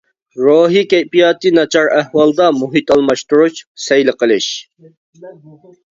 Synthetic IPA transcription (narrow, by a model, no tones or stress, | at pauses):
ɾoːɦikʲɛjpijɑːt̪ɨnɑt͡ʃʰɑɾæhwɑlˠd̪ɑmuɦit̪ɑlˠmɑʃt̪uɾut͡ʃsɛjlɪqəlˠɨʃ